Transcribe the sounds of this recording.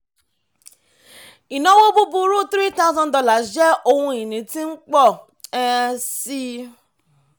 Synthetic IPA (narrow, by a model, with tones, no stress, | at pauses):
i˨nã˨˦wo˦bu˦bu˧ɾu˦t̪ɾi˦ta˦zɔ̃˧ndɔ˧la˨d͡ʒɛ˦o˧hũ˧i˨nĩ˨˦tĩ˦n̩˦k͡pɔ˦˨ | ɛ˦˧si˦